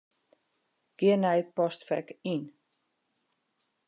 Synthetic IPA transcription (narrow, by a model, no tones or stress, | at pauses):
ɡ̥ɪənɛjpɔstfɛ̰kin